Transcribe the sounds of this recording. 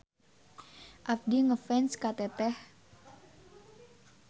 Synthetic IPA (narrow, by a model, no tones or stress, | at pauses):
ʔaf̚diŋəfɛnskat̪ɛt̪ɛh